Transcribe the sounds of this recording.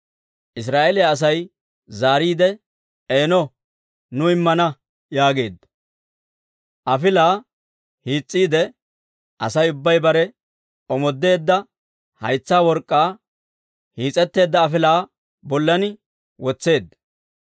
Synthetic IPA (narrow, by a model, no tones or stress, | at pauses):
ʔɪs̬ɾaːʔɛlɪjaːs̬ɐj | zaːɾiːd̪ɛ | eːnɔ | nʊɪmːɐnɐ | jaːɡe̞ːd̪ːɐ | ʔɐfɪlaː | hiːt͡sʼːiːd̪ɛ | ʔɐsɐjʊbːɐjbɐɾɛ | ɔmɔd̪ːe̞ːd̪ːɐ | hɐjt͡sːaːwɔɾkʼːaː | hiːt͡sʼɛt̪ːe̞ːd̪ːɐːfɪlaː | bɔlːɐnɪ | wɔt͡sːe̞ːd̪ːɐ